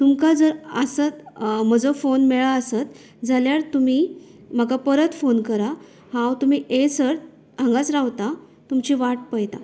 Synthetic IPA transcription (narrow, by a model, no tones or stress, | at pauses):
t̪umkad͡zəɾəsat̪m̤əd͡zəfonmeɭaəsat̪ | d͡zaljaɾt̪um̤im̤əkapəɾət̪fonkəɾa | hãwt̪um̤iːʔesəɾt̪ | ãŋɡat͡sɾaʋt̪a | t̪umt͡ɕiʋaʈ̚pəjt̪a